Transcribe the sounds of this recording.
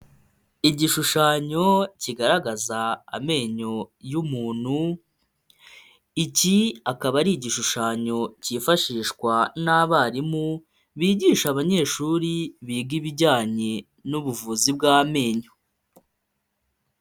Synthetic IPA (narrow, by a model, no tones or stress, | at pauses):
iɟiʃuʃaːɲo̞ciɡaɾaɡaza̰ːme̞ːɲo̞jumuːn̥hu | iciakaβaɾiːɟiʃuʃaːɲo̞cifaʃiːʃkwanaβaɾimu | βiːɟiːʃaβaɲe̞ːʃuːɾiβiːɡiβiɟaːɲe̞ | nuβuvuzib̚ɡaːme̞ːɲo̞